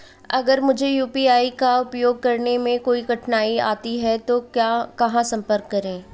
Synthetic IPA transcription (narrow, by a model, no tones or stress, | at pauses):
ɐɡəɾmʊd͡ʒʱejuːpiaːikaʊpjoːɡ̚kɐɾnemẽkoːiɡɐʈnaːia̰ːt̪iɦɛt̪okjaːkɐɦãsɐ̃mpəɾkːɐɾẽː